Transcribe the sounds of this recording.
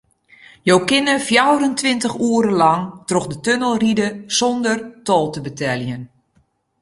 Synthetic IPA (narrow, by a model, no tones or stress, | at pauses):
jowkɪnəfjawɾəntʋɪntəxuːəɾəlɑŋtrɔxdətønəlˠridəsɔndərtɔːlˠtəbətʰɛljən